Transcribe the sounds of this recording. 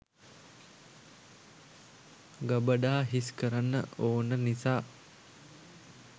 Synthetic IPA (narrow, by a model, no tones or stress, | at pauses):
ɡəbəɖaːɦiskəɾanːə̰oːnənisaː